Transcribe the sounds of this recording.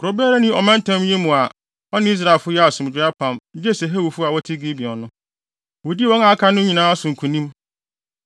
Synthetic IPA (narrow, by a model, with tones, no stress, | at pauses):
kʰʊ˨o˨bɛ˦ɾa˦nɪ̃˦ɔ˨mã˦n̩˦tʰã˦m˦ɲẽ˦mũ˨a˨ | ɔ˦nɪ̃˦i˦s̬ɾa˦˨e˨lfʊ˦jɛ˦a˨sʊ̃˨m˨d͡ʑɪ˨˦a˦pʰã˨m̩˦di˦ɛ˦˨sɛ˨ɦæ˦wu˨fʊ˦a˨wɔ˦tʰɪ˦ɡi˦bi˨ɔ̃˨nʊ̃˦ | wɔ˨di˦wɔ̃˦ŋa˨kʰa˦nʊ̃˦ɲĩ˨nãː˦a˦sʊ̃˨ŋ̩˨kʰũ˨nĩ˦m